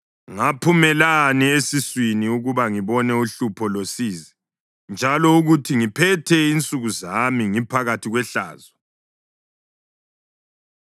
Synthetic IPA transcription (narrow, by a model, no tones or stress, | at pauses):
ŋapʰumɛlaniesiswiniuɣuβaŋiβɔnɛuɬupʰɔlosiːzɛ | nd͡ʒʱalɔuɣutʰiŋipʰɛtʰɛint͡sʼuɣuzamiŋipʰaɣatʰiɣwɛɬa̰ːzɔ